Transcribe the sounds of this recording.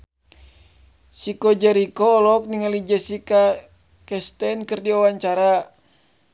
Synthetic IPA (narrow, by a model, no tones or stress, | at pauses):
sikɔd͡ʒɛɾikɔːlɔk̚niŋalid͡ʒɛsika | kɛst̪ɛnkɨrdiawaɲt͡ʃaɾa